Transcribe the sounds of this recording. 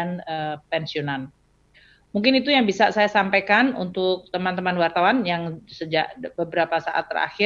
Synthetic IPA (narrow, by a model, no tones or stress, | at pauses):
anəpɛnsionan | muŋkɪnit̪ujaŋbisasajasampajkanṵnt̪ʊk̚t̪əmant̪əmanwart̪awanjaŋsəd͡ʒaʔbəbəɾapasaʔa̰t̪ːəɾa̰xɪ